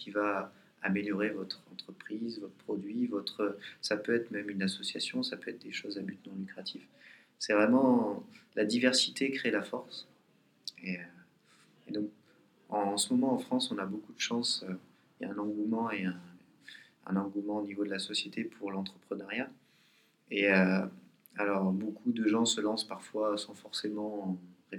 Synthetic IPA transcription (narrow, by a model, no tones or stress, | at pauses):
kʲiva | ameljɔʁevɔt̪χɑ̃t̪χəpχizvɔt̪χəpχɔd̪ɥivɔt̪χəsapøɛt̪χmɛmynasɔsjasjɔ̃sapøɛt̪̚χd̪eʃozabyt̪mɑ̃lykχat̪ʰif | sɛvʁɛmɑ̃lad̪ivɛʁsi̥t̪ʰekχelafɔʁs | eø | ed̪ɔ̃k | ɑ̃səmɔmɑ̃ːfχɑ̃sɔ̃nabokud̪əʃɑ̃sø | aɛ̃nɑ̃ɡumɑ̃eɛ̃ | ɛ̰̃nɑ̃ɡumɑ̃onivod̪əlasɔsjet̪ʰepʰuʁlɑ̃t̪χəpχənaʁja | eø | alɔʁbokʰud̪əʒɑ̃səlɑ̃spaʁfwasɑ̃fɔʁsemɑ̃ʁe